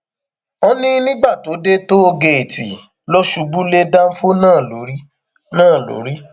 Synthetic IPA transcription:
o˦nĩ˦nĩ˦ɡ͡ba˦˨to˨˦de˦to˦o˧ɡe˨e˨tḭ˨ | lɔ˦ʃu˦bu˦le˦da˦n̩˦fo˦nãː˦˨lo˨˦ɾi˦ | nãː˦˨lo̰˨˦ɾi˦

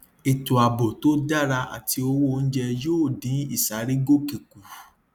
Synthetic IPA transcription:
e˨tu˨a˨bo˨to˦da˦ɾa˧a̰˨ti˧o˧wo˦˧n̩˦d͡ʒɛ˧joː˦˨dĩ˨˦i˦˨sa˨˦ɾi˦ɡo˦ki˨ku˨

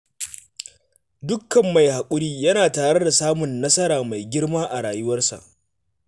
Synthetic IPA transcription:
dʊ˦kːɐ˨mːa˨jha˨kʷʼʊ˦ɽiː˦jɐ˦naː˨taː˨ɽe˦da˨saː˦mʊ˨nːɐ˦sɐ˦ɾaː˨ma˨jɡʲɪ˦rmaː˦ʔa˨ɽaː˨jʊ˦wɐ˦rsa̰˨ʔ

